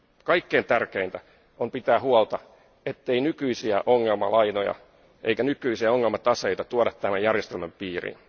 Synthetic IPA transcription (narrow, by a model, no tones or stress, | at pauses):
kɑikːeːnt̪ærkeint̪æ | ompit̪æːhuolt̪ɑ | et̪ːeinykyisiæʔoŋːelmɑ̰lɑjnojɑ̰ | ʔḛikænykyisiæoŋːelmɑt̪ɑsejt̪ɑt̪uodɑt̪t̪æmæjærjest̪elmæmpiːrḭn